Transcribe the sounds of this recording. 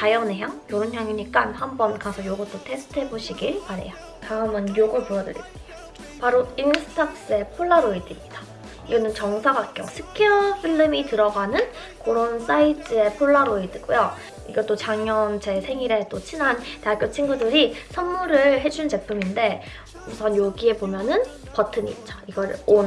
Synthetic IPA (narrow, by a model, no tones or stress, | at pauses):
t͡ɕajʌneɦjaŋjoɾunjaŋiɲik͈anhambʌnkasʰʌjoɡot͈otʰe̞sʰɯ̥tʰɯɦe̞boɕʰiɡipaɾe̞̰jo | taɯmɯnjoɡɯŋpoɾʌdɯ̰ɾḭt͈ejo | paɾoinsʰɯ̥tʰaks͈ɯe̞pʰoɭːaɾoidimɲid̥a | iɡʌnɯnt͡ɕʌŋsʰaɡakk͈jʌ̰ŋsʰɯ̥kʰʌɸʰiɭːɯmitɯɾʌɡanɯn | koɾons͈ait͈ʰɯe̞pʰoɭːaɾoidiɡojo | iɡʌt͈ot͡ɕaŋjʌnt͡ɕe̞sʰe̞ŋiɾe̞t͈ot͡ɕʰinɦante̞ak͈jot͡ɕʰinɡudɯɾisʰʌnmuɾɯɭɦe̞d͡ʑunt͡ɕe̞pʰuminde̞ | musʰʌnjoɡie̞bomjʌnɯn | pʌtʰɯɲḭt͡ɕ͈aiɡʌɾɯon